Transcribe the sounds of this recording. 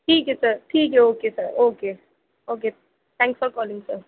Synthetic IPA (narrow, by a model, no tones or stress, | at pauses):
ʈʰiːkɦɛsɐɾʈʰiːkɦɛoːkesəɾoːke | oːk̬e | t̪ʰɛ̃ːŋksfɔɾkɔːlɪ̃ŋɡsəɾ